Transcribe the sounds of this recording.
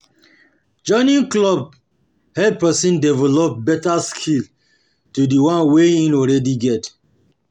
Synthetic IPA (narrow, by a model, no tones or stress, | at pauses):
d͡ʒɔ̃ɪnĩnklɔb̚ | hɛpɛsĩndɛvɛlɔp̚bɛtaskʰil | tudiwãnweĩnɔlɹɛdiɡɛt